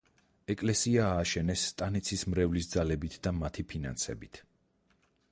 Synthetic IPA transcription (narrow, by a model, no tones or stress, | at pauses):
ɛkʼlɛsiaːʃɛnɛsːt̪ʼanit̪sʰismɾɛvlis̬d̪zalɛbit̪ʰd̪amat̪ʰipʰina̰nsɛ̰bit̪ʰ